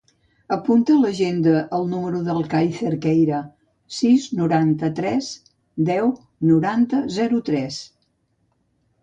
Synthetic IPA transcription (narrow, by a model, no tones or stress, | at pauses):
əpunt̪ələʒend̪əʔːlˠnuməɾuðəlˠkajθeɾkɛjɾə | siznuɾant̪ət̪ɾɛz | d̪ɛw | nuɾant̪əzɛɾut̪ɾɛs